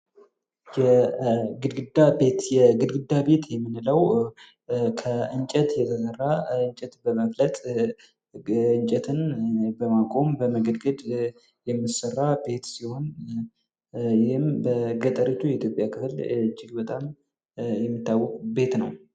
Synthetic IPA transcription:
jɛɡɨd̪ɡɨd̪abet̪jɛɡɨd̪ɡɨd̪ːabe̞t̪jɛmːɨnləw | kʰəɨnt͡ʃʼɛt̪jɛt̪ʰəsərːaɨnt͡ʃʼɛt̪bəməflət̪ʼ | ɨnt͡ʃʼɛt̪ʰɨnbəmakʼo̞mbəməɡəd̪ɡəd̪ | jɛmːɨsərːabe̞t̪siho̞n | jɪhɨmbəɡət̪ʼəɾət͡ʃːujɛit̪ʰjopʼjakʰɨfɨlɨd͡ʒːɪɡbət̪ʼam | jɛmːɨt̪ːawːɔkʼbe̞t̪nəw

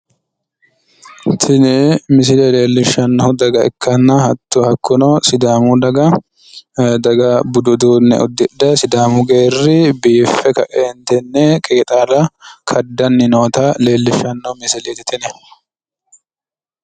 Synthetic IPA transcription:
t̪ʰɪnɛmɪs̬ɪleːle̞ːlːɪʃːɐnːɐhʊd̪ɐɡɐɛ̰kːɐnːɐhɐt̪ːuhɐkːʊnɐsɪd̪aːmud̪ɐɡɐ | d̪ɐɡɐbʊd̪ʊd̪uːnːɛ̰ʔɔd̪ːɪdɐsɪd̪aːmʊɡeːrːɪbiːfːɛkɐʔeːnt̪ɛnːɛkʼeːt̪ʼaːlɐkʰɐd̪ːɐnːɪnoːt̪ɐle̞ːlːɪʃːɐnːɐʊmɪsɪleːt̪ɪt̪ʰɛnɛ

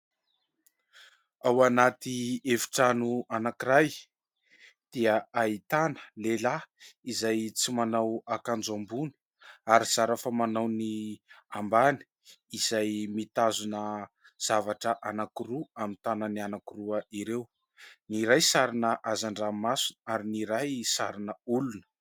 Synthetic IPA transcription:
awanat̪ievi̥ʈ͡ʂanuanakiɾaj | d̪̥iəait̪anə̥lelaizajt͡simanawakand͡zambuni̥ | aɾiz̥aɾafamanawniambani̥ | iz̥ajmit̪azunə | z̥avaʈ͡ʂəʔanakiɾuamint̪anənianakuruəiɾew | niɾajsaɾinəʔazaɳɖ͡ʐamasunaɾiniɾajsaɾinəulunə̥

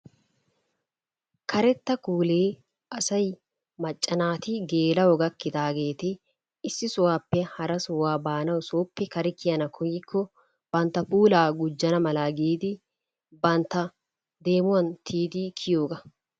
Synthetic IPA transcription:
kɐɾɛt̪ːɐkuːleː | ɐsɐj | mɐt͡ʃʼːɐnaːt̪ɪɡe̞ːlɐwɔɡɐkːɪd̪aːɡe̞ːt̪ɪː | sːɪsʊwaːpːɛhɐɾɐsʊwaːbaːnɐwsoːpːɛkɐɾɪkɪjɐnɐkʰɔjɪkʰːɔ | b̥ɐnt̪ːɐpuːlaːɡʊd͡ʒːɐnɐmɐlaːɡiːd̪ɪ | bɐnt̪ːɐ | d̪e̞ːmʊwɐnt̪ʰiːd̪ɪkʰɪjo̞ːɡɐ

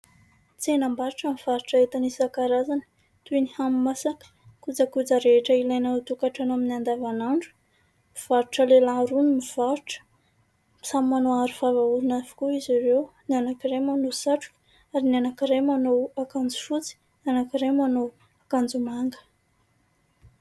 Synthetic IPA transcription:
t͡senambaɾuʈ͡ʂamiv̥aɾuʈ͡ʂaet̪anisakaɾazanə | t̪ujnihamimasakə̥ | kud͡zakud͡zaɾeeʈ͡ʂəilajnaut̪ukaʈ͡ʂanaminiand̪avanaɳɖ͡ʐu̥ | miv̥aɾuʈ͡ʂəlelaɾunimiv̥aɾuʈ͡ʂə̥ | misammanoaɾufavaulunavu̥kuiziɾewnianakiɾajmanosaʈ͡ʂu̥k | aɾinianakiɾajmanoakand͡zu̥fut͡si̥ | nanakiɾajmano | akand͡zumaŋɡə̥

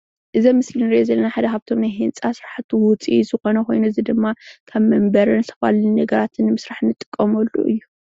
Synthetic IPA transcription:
ʔɨzɐmɨslinɨɾiʔozɐlːɐnaħad̪ɐɦaβt̪ʰo̞mnajɦɨnt͡sʼasɾaħat̪ʰwʊt͡sʼizɨxo̞nɐko̞jnuɨzid̪ɨmːakʰaβmɐmbɐɾɨnsʰɐfa̰lnɐɡɐɾat̪ʰɨnːɨmɨsɾaħnɨt̪ʼːɨ̥kʼːɐmɐlːṵʔɨ̰jːu

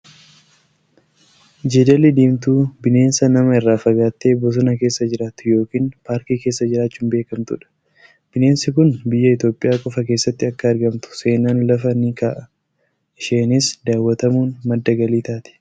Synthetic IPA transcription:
d͡ʒed̪ɐlɪd̪iːmt̪uːbɪne̞ːnsɐnɐmɐɪrːaːfɐɡaːt̪ːe̞ːbɔs̬ɔnɐke̞ːsːɐd͡ʒɪɾaːt̪ʊ̥jo̞ːkiːnpaːɾkiːke̞ːsːɐd͡ʒɪɾaːt͡ʃːuːnbe̞ːkɐmt̪ʊ̰ᶑɐ̥ | b̥ɪne̞ːnsɪkʊnbɪjːɐɪt̪o̞ːpʼːɪjaːkʼɔfɐk̬eːsːɐt̪ːɪɐkːɐɐɾɡɐmt̪ʊ̥se̞ːnaːnlɐfɐnikaʔɐ | ɪʃeːnɪsd̪aːwːɐt̪ɐmuːnmɐd̪ːɐɡɐliːt̪aːt̪ɪ̥

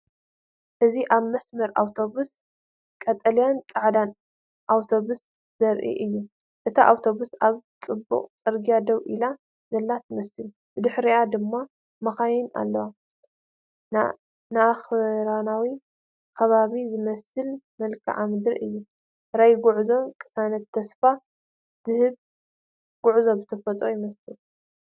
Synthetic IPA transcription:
ʔɨziʔaβmɐsmɐɾʔawt̪ʰo̞βus | kʼɐt̪ʼɐlijant͡sʼaʕd̪an | ʔawt̪ʰo̞βus | z̥ɐɾʔḭʔɨjːu | ʔɨt̪ʰaʔawt̪ʰo̞βusaβt͡sʼɨbːṵqʼt͡sʼɨɾɡijad̪ɐwʔila | zɐlːat̪ʰɨmɐsɨl | bɨd̪ɨħɾiʔad̪ɨmːa | mɐxajɪna̰lːɐwa | naaxɾanawi | kʰɐβaβizɨmɐsɨlmɐlkʰɨ̰ʕamɨd̪ɾʔɨjːu | ɾajɡʊʕzo̞mkʼɨ̥sanɐt̪ʰːɐsfa | z̥ɨhɨβ | ɡ̥ʊʕzo̞bɨt̪ʰɐfɐt̪ʼojɪmɐsɨl

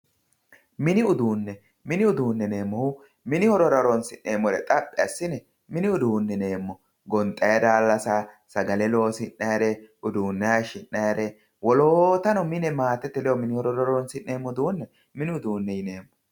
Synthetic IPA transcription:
mɪnɪʊd̪uːnːɛ | mɪnɪʊd̪uːnːɛne̞ːmːɔhʊ | mɪnɪhɔɾɔɾɐɾɔnsɪnːeːmːɔɾɛ̰t̪ʼɐpʼːɪɐsːɪnɛ | mɪnɪʊd̪uːnːɛne̞ːmːɔ | ɡɔnt̪ʼːɐjɐd̪aːlːɐsa | sɐɡɐlɛlo̞ːsɪnːɐjɾɛʔʊd̪uːnːɐjɐʃɪnːɐjɾɛ | wɔloːt̪ɐnɔmɪnɛmaːt̪ɛt̪ːɛlɛjɔmɪnɪhɔɾɔɾɐɾɔnsɪnːeːmːɔd̪uːnːɛ | mɪnɪʊd̪uːnːɛjɪne̞ːmːɔ

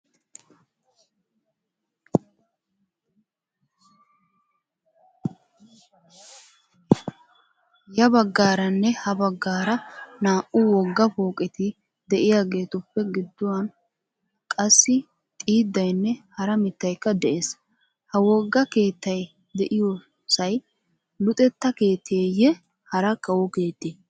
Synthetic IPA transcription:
jɐbɐɡːaːɾɐnːɛhɐbɐɡːaːɾɐnaːʔʊwɔɡːɐfoːkʼɪt̪ɪ | d̪ɛʔɪjaːɡe̞ːt̪ʊpːɛɡɪd̪ːʊwɐn | kʼɐsːɪ | t̪ʼiːd̪ːɐjnːɛhɐɾɐmɪt̪ːɐjkːɐd̪ɛʔeːs | hɐwɔɡːɐke̞ːt̪ːɐj | d̪ɛʔɪjo | sɐj | lʊt̪ʼɛt̪ːɐke̞ːt̪ʰːeːjɛ | hɐɾɐkːɐwɔke̞ːt̪ːeː

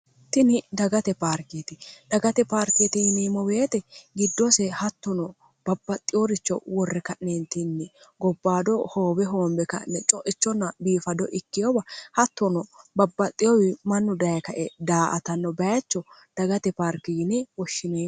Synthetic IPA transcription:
t̪ɪnɪd̪ɐɡɐt̪ɛpaːɾket̪ɪd̪̥ɐɡɐt̪ɛpaːɾket̪ɪjɪnɛmɔweːt̪ɛɡɪd̪ːɔsɛhɐt̪ːɔnɔ | b̥ɐbːɐt̪ʼːɪjɔɾɪt͡ʃːɔ̰wɔrːɛkɐʔnent̪ɪnːɪɡɔbːaːd̪ɔhoːbɛɦoːmbɛkɐ̰ʔnɛt͡ʃʼɔʔɪt͡ʃːɔnːɐbiːfɐd̪ɔʔɪkːɪjɔbɐhɐt̪ːɔnɔbɐbːɐt̪ʼːɪjɔwɪmɐnːʊd̪ɐjɐkɐʔɛd̪aːʔɐt̪ɐnːɔbɐjɐt͡ʃːɔd̪̥ɐɡɐt̪ɛpaːɾkːɪjɪnɛwɔʃːɪneː

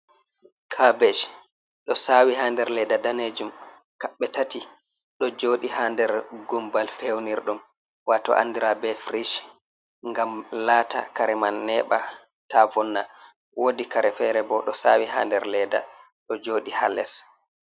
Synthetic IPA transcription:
kʰabɛʃ | ɗɔsawihaːndɛɾlɛdadaned͡ʒum | kaɓːɛtati | ɗɔd͡ʒoːɗihandɛɾɡumbalfewniɾɗum | watɔ̰ʔa̰ndiɾabɛfɾiʃ | ŋɡamlaːta̰kaɾɛmanːɛɓa | tavɔnːa | wʔodikaɾɛfɛɾɛbɔɗɔsa̰ːwiha̰ːndɛɾlɛda̰ | ɗɔd͡ʒoːɗihalːɛ̰s

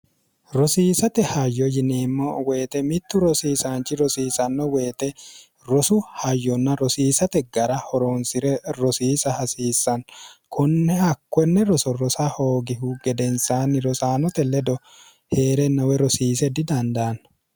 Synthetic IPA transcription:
ɾɔsiːsɐt̪ɛhɐjːɔjɪneːmːoweːt̪ɛmɪt̪ːʊɾɔsiːsaːnt͡ʃɪɾɔsiːsɐnːɔweːt̪ɛ | ɾɔsʊhɐjːɔnːɐɾɔsiːsɐt̪ɛɡɐɾɐhɔɾoːnsɪɾɛɾɔsiːsɐhɐsiːsːɐnkʰɔnːɛhɐkːɔnːɛɾɔsɔɾɔsahoːɡɪhuɡɛd̪ɛnsaːnɪɾɔsaːnɔt̪ɛlɛd̪ɔ | heːɾɛnːɐwɛɾɔsiːsɛd̪ɪd̪ɐnd̪ɐːn

